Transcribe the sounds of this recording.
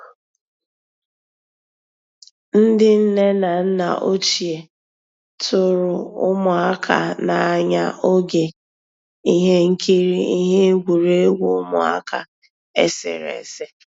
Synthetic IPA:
n̩˦dɪ˦n̩˦ne˦na˨n̩˦na̰˨ʔo˦t͡ʃi˨e˨ | tʊ˨ɾʊ˨ʊ˦mʊ˨a˦kʰa̰˨na˨ɲa˦ʔo˦ɡe˨ | i˦ɦe˦ŋ̩˦ki˦ɾi˦i˦ɦe˦ɡʷu˨ɾe˦e˦ɡʷu˨ʊ˦mʊ̰˨a̰˦ka˨ | e˦sɪ̰˨ɾḛ˨se˦

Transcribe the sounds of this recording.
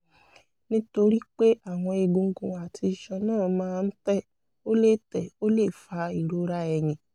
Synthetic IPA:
nĩ˦to˧ɾi˦k͡pe˦ʔa˦˨w̃ɔ̃˧e˧ɡũ˧ŋ̩˦ɡũ˨a˨ti˧˨ʃɔ˧nãː˦˨mãː˦˧n̩˦tɛ˦˨ | o˦le˦˨tɛ˨o˦le˦˨fa˧i˨ɾo˦ɾa˦ɛ˧j̃ĩ˨

